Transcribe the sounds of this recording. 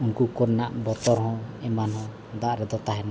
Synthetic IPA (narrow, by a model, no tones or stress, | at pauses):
unkukɔɾnaʔbɔt̪ɔɾɦɔ̃ɛmanhɔ̃ | d̪aʔɾɛd̪ɔt̪aɦɛna